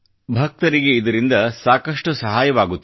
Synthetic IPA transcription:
bʱɐk̚t̪ɐɾiɡe̞id̪ɐɾind̪ɐsaːkɐʂʈusɐɦaːjɐʋaːɡut̪ː

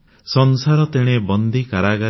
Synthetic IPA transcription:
sɔnsaɾɔt̪eɽ̃ebɔnd̪ʱikaɾaɡa

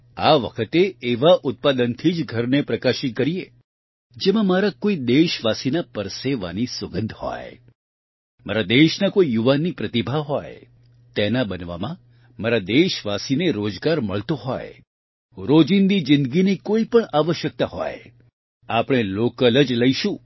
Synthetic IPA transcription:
aʋə̰kʰət̪eːʋaʔʊt̪̚pad̪ənt̪ʰid͡ʒɡʱəɾnepɾəkaʃɪt̪̚kəɾie | d͡ʒemãmaɾakoid̪eʃʋasinapəɾseʋa̰nisəɡənd̪ʱhɔ̰j | maɾad̪eʃnakoijuʋanːipɾət̪ibʱaɦɔj | t̪ɛnabənʋa̰mã | maɾad̪eʃʋasineɾod͡ʒɡaɾməɭt̪oɦɔ̰j | ɾod͡ʒind̪id͡ʒɪ̃nd̪ɡinikoipəɳaʋəʃjək̚t̪aɦɔ̰j | apɽ̃elokələd͡ʒləiʃũ

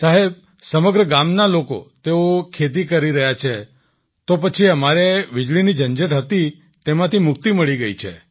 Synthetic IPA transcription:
t͡ʃaɦeb̚ | səməɡɾəɡamnaloko̰t̪eokʰet̪̬ikəɾiɾəɦjat͡ʃʰe | t̪op̬ət͡ʃʰiəmaɾeʋɪd͡ʒɭinid͡ʒənd͡ʒeʈɦət̪i | t̪emãt̪ʰimʊk̚t̪iməɭiɡəit͡ʃʰḛ

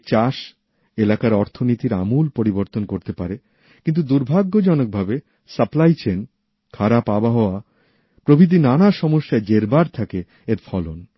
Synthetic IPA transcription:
t͡ɕaʃ | elakaɾɔɾt̪ʰonit̪iɾa̰mulpoɾiboɾt̪onkoɾt̪epaɾe | kint̪ud̪uɾbʱaɡːod͡ʑɔnok̚bʱabe | səplajt͡ɕen | kʰaɾapabaɦɔoa | pɾobʱid̪̬inanaʃɔmoʃːaed͡ʑeɾbaɾt̪ʰake | eɾfʰɔlon

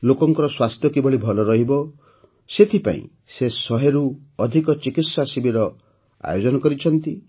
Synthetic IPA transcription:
lokɔŋkɔɾɔswast̪ʰjɔkibɔɭibʱɔlɔɾɔɦibɔ | set̪ʰipã̰ḭ̃ | sesɔɦeɾu | ɔd̪ʱikɔt͡ʃikit̪sasibiɾɔ | a̰jod͡ʒɔnɔkɔɾit͡ʃʰɔnt̪i

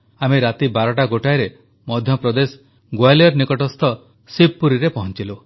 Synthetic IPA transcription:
ameɾat̪ibaɾɔʈaɡoʈajɾe | mɔd̪ʱjɔpɾɔd̪es | ɡwajljɔɾnikɔʈɔst̪ʰɔ | sibːuɾiɾepɔɦɔnt͡ʃilo

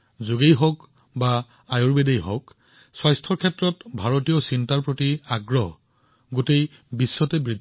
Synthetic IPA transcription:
zuɡejɦɔk | ba | ajoɹbedejɦɔ̰k | swajstʰɔɹkʰɛtɹɔtbʱaɹotijɔsintaɹpɹotiaɡɹɔɦɔ | ɡotej | bisːɔtɛbɹid̪ʱ

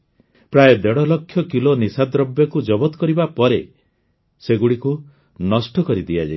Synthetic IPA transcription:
pɾajed̪eɽɔlɔkʰːjɔkilonisad̪ɾɔbjɔkud͡ʒɔbɔt̪ɔ̥kɔɾibapɔɾe | seɡuɽiku | nɔsʈɔkɔɾid̪ijad͡ʒa̰i

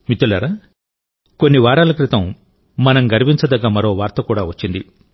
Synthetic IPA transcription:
mit̪ulɐɾɐ | ko̞nːiʋaːɾaːlɐkɾit̪ɐmː | ɐnɐmɡɐɾiʋiɲt͡ʃɐd̪ɐɡaːmɐɾo̞ːʋaːɾt̪ɐkuːɽaːʋɐt͡ʃːind̪i

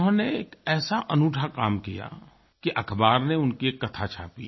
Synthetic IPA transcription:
ɦãneːkɛːsaʔɐnuːʈʰakaːmkija̰ | kiʔɐkʰbaːɾneʊnkikɐt̪ʰat͡ʃʰa̰ːpḭ

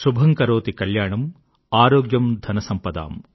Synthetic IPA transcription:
ʃubʱɐŋkɐɾoːt̪ikɐljaːɳɐm | aːɾoːɡjɐmd̪ʱɐnɐsɐmpɐd̪a̰ːm

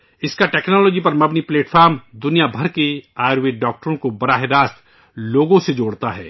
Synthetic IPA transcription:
ɪskaʈɛːknɔːloːd͡ʒipɐɾmɐbnipleːʈfʰaːɾmd̪ʊnijabʱɐɾkeaːɾʋeɖɔːk̚ʈəɾõkobɐɾaːɦɪɾaːst̪ | loːɡõsed͡ʒoːɽt̪aɦɛ̰ː

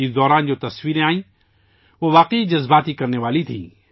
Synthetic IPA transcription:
id̪ɔːɾaːnd͡ʒoːt̪ɐswiːɾẽaːĩː | ʋoʋaːqeid͡ʒɐzbaːt̪ikɐɾneʋaːlit̪ʰḭ̃ː

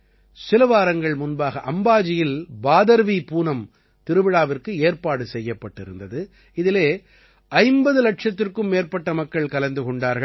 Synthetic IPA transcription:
sɪlɐʋaːɾɐŋɡɐɭmʊnbaːɣɐʔɐmbaːd͡ʒɪjɪlbaːðɐɾʋipuːnɐm | t̪ɪɾɯʋɪɽaːʋɪrkɯeːɾpaːɽɯsɛjːɐpːɐʈːɪɾɯ̰nd̪ɐðɯ | ɪðɪleː | ʔɐɪmbɐðɯlɐʈʂɐt̪ːɪrkɯmːeːɾpɐʈːɐmɐkːɐɭkɐlɐnd̪ɯkɔɳɖaːɾɣɐ

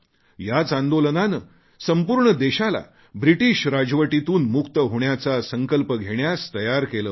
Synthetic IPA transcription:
jat͡sand̪olənanəː | səmpuːɾɳəd̪eɕala̰ | bɾiʈiɕɾad͡zʋəʈit̪uːnmukt̪əɦoɳjat͡sasəŋkəlpəɡʱeɳjast̪əjaɾkeləː

